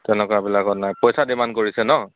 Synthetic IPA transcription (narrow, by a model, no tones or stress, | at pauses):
tɛnɛkɔabilakɔtnajpɔjsadimankoɹisɛnɔ